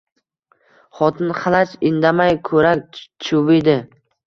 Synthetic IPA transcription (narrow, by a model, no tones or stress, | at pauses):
χɒt̪ʰɪnχɑlˠat͡ʃɪnd̪amajkʰɵɾak̚ʲt͡ʃʰʊvɪd̪ɪ